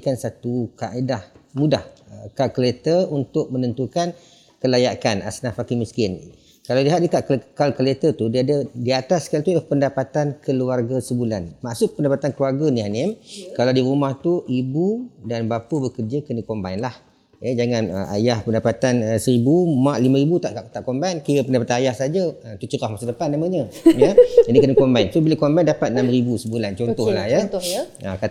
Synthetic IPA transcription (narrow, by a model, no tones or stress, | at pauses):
kansat̪ukaʔedahmudahəkalkəlet̪əunt̪ʊk̚mənənt̪ukan | kəlajakana̰snafakiŋmiskɪn | kalawdiɦat̪̚dikaʔkalkəlet̪ət̪udiadədiat̪askalat̪ulahpəndapat̪ankʰəluarɡasəbulanmaʔsʊk̚pəndapat̪ankəluarɡaniɦanɪmkalawdiɾumaht̪uʔibudanbapəbəkəd͡ʒəkənə̃kombainlah | jəd͡ʒaŋanə̰ʔa̰jahpəndapat̪anəsəɾibumãʔlimãɾibut̪aʔt̪aʔkombankijəpəndapat̪anajahsad͡ʒaət̪ut͡ʃuɾahmasadəpanːaməɲəjəd͡ʒadikənəkɔmbaijnsobilakombajndapat̪̚namɾibusəbulant͡ʃɔnt̪ɔhlahjətaka